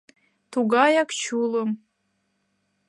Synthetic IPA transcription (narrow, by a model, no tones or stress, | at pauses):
t̪uɡɑjɑkt͡ɕulˠəm